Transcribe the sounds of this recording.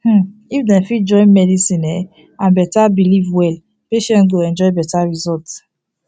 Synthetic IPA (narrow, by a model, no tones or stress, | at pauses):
h̩ifdɛ̃nfid͡ʒɔ̃ɪ̃nmɛdisĩnɛ | ãnbɛtabilivwɛl | peʃɛ̃nɡoɛ̃nd͡ʒɔɪbɛtaɹizɔlt